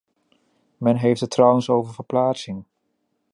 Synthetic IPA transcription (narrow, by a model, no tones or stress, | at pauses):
mɛnɦejftɦətrʌwənsowvəɹvəɹplaːtsɪŋ